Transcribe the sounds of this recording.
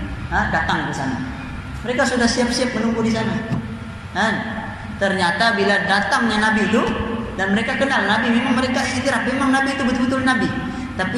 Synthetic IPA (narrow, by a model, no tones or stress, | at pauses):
adat̪aŋdusa̰na | məɾekasudahsiap̚siap̚mənukudisana | kan | t̪ərɲat̪abiladat̪aŋɲanabit̪udanməɾekakənalnabimemaŋməɾekait̪iɾap̚memaŋnabiːt̪ubət̪ubət̪ʊlnabi | t̪api